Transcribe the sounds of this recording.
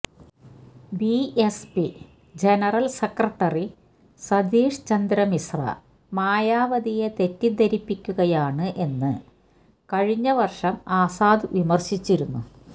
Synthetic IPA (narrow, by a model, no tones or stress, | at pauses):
biespi | d͡ʑe̞nɐrɐlsekrɐʈːɐri | sɐd̪iːʂt͡ɕɐnd̪ɾɐmisrɐ̰ | maːjaːʋɐd̪ije̞t̪e̞tːid̪ʱɐɾipːikʲːuɣɐjaːɳɨʔe̞nːɨ | kɐɻiɲːɐʋɐrʂɐmaːsaːd̪ɨʋimɐrɕit͡ɕːiɾunːu